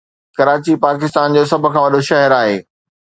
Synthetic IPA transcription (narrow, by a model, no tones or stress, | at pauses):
kɐɾaːt͡ɕipaːk̬ɪst̪aːnd͡ʑoːs̬ɐbʱʊ̆kʰãːʋɐɗoʃɐɦɛɾaːɦeː